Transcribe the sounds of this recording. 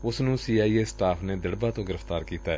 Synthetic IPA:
ʊsnũːsiːaːiːeːsʈaːpʰneːd̪əɽbaːt̪õːɡɪɾəfʰt̪aːɾkiːt̪aːɛ

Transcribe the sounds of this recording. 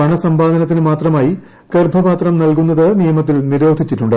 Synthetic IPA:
ɐɳɐsɐmbaːd̪ʱɐnɐt̪̬ːinɨmaːt̪rɐmaːji | kerbʱɐbaːt̪rɐmnɐlkunːɐðɨnijɐmɐt̪̬ːilniɾo̞ːd̪ʱit͡ɕːiʈːuɳɖɨ

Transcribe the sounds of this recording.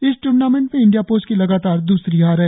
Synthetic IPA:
ɪsʈuːɾnaːmẽɳʈmẽɪ̃ɳɖijapoːskilɐɡaːt̪aːɾd̪uːsɾiɦaːɾɦɛ

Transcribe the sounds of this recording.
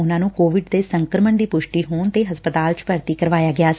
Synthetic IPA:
ʊnãːnũːkoːʋɪɖd̪eːsəŋkɾəməɳd̪iːpʊʃʈiːɦoːnt̪eːɦəspət̪aːlt͡ʃpəɾt̪iːkəɾʋaːjaːɡɪaː

